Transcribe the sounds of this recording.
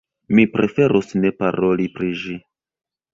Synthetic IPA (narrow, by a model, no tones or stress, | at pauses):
mipɾe̞fe̞ɾusne̞paɾo̞lipɾiʒi